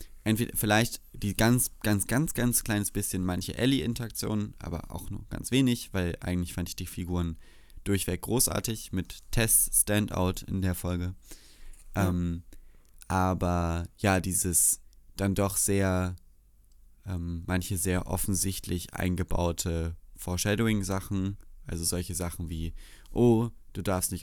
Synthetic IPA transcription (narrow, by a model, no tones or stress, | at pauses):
ʔɛntv̥eːdɐfɪlaɪçtd̥iːɡ̥ant͡sɡ̥ant͡sɡ̥ant͡sɡ̥ant͡skʰl̥aɪnəsb̥ɪsçənmançəʔɛliʔɪntɐak̚t͡sjo̰ːnənʔa̰ːbɐ̰ʔa̰ʊxnṵːɐɡ̥a̰nt͡sv̥eːnɪçv̥aɪlʔa̰ɪɡŋ̩tlɪçfandɪçd̥iːfiɡuːʁən | d̥ʊɐçv̥ɛk̚ɡ̥ʁoːsʔa̰ːɐtɪçmɪtʰːɛststɛntʔa̰ʊtɪ̰ndeːɐfɔlɡə | ʔɛːm | ʔaːbɐjaːdiːzəsd̥andɔχz̥eːɐ | ʔɛːmːançəzeːɐʔɔ̰fn̩zɪçtʰlɪçʔa̰ɪnɡəba̰ʊtʰəfoːɐʃɛdoɪŋzaχn̩ʔalzozɔlçəzaχn̩viː | ʔoː | d̥uːdaɐfstnɪç